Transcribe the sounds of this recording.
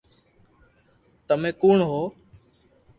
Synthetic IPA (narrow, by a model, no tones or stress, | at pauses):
t̪əmẽːkuːɳɦoː